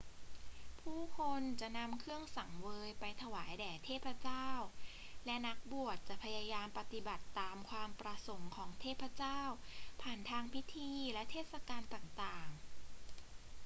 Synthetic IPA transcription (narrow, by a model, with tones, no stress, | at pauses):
pʰuː˥˩kʰo˧nt͡ɕa˨˩ʔna˧mkʰɯ˥˩əŋsa˨˩˦ŋwɤː˧jpa˧jt̪ʰa˧waː˩˦jdɛː˨˩t̪ʰeː˥˩pʰɾa˧˥t͡ɕaː˥˩wlɛ˦˥na˦˥k̚bu˨˩ət̪̚t͡ɕa˨˩ʔpʰa˧ja˧jaː˧mpa˧t̪i˨˩ba˨˩t̪ːaː˧mkʰwaː˧mpɾa˧so˩˦mkʰɔː˩˦ŋt̪ʰeː˥˩pʰɾa˧t͡ɕaː˥˩wpʰaː˨˩nt̪ʰaː˧ŋpʰi˦˥t̪ʰiː˧lɛ˦˥t̪ʰeː˥˩t̪̚sa˧kaː˧nt̪aː˨˩ŋt̪aː˨˩ŋ